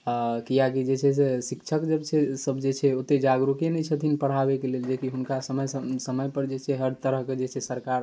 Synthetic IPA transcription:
kijakid͡ʒet͡ʃʰɛsesikt͡ʃʰəkd͡ʒəbt͡ʃʰɛsəbʱd͡ʒet͡ʃʰɛot̪ed͡ʒaɡɾukenɛt͡ʃʰət̪ʰinpəɽ̤abekeleld͡ʒekiɦunkasəməjəsəməjpəɾd͡ʒet͡ʃʰɛɦəɾt̪əɾəɦked͡ʒet͡ʃʰɛsəɾkaɾ

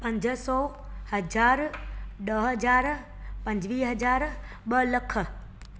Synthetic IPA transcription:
pɐ̃ɲd͡ʑə̆sɔː | hɐd͡ʑaːɾɗɐɦɐd͡ʑaːɾ | pɐ̃ɲd͡ʑʋiːɦɐd͡ʑaːɾ | ɓɐlɐkʰə̆

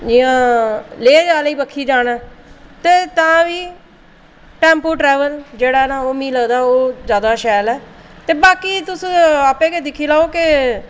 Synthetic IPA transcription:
d͡ʒɪːãːleːd͡ʒaːliːbəkʰːiːd͡ʒaːɽɛːt̪eːt̪ãːʋiː | ʈɛ̃ːmpoːʈɾɛːʋəld͡ʒeːɽaːnãːoːmiːləːd̪aːoːzjaːd̪aːʃɛːlɛːt̪eːbaːkiːt̪ʊsaːpẽːked̪ɪkʰiːlaːoːkɪ

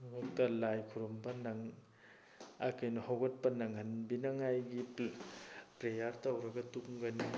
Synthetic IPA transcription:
mak̚tɐlajkʰuɾombɐnaŋ | akɐjnɔhawɡɐt̚pɐnaŋhanbinaŋajɡi | pɾejaɾtawɾɐɡɐtuŋɡɐni

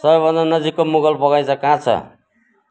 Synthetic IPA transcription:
sʌbʌnd̪anʌd͡zikːomuɡʌlpʌɡajt͡sʰʌkãt͡sʰʌ̰

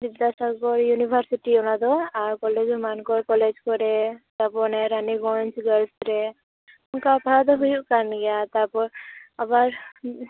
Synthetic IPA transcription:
bid̪asaɡɔɾjunibʱaɾsiʈiɔnad̪ɔaɾkɔled͡ʒmankɔɾkɔled͡ʒkɔɾet̪apɔneɾaniɡɔnt͡ʃɡəlsɾe | unkaːpaɾad̪ɔɦujuʔkaɾnɡɛat̪apɔɾabaɾ

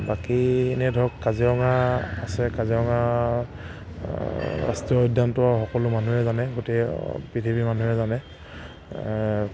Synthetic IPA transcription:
bakienɛdʱɔkːaziɹɔŋaːsɛkaziɔŋa | ɹa̰stiɔɔdʱantʊwaxɔkɔlʊmanuɦɛzanɛɡotepitʰibimanuɛzanɛ

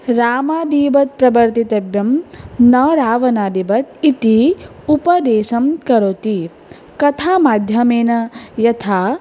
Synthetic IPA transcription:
ɾaːmaːd̪iːbɐt̪̚pɾɐbɐɾt̪it̪ɐbjɐmnɐɾaːʋɐnaːd̪iːbɐt̪it̪i | upɐd̪eːsɐmkɐɾoːt̪i | kɐt̪ʰaːmaːd̪ʱjɐmeːnɐjɐt̪ʰaː

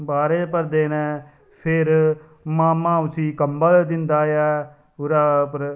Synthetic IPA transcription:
baːɾeːpəɾd̪eːnɛ̃ː | pʰɪɾ | maːmãːʊt͡ʃiːkəmbəld̪ɪnd̪aːjaː | ʊɾaːpəɾ

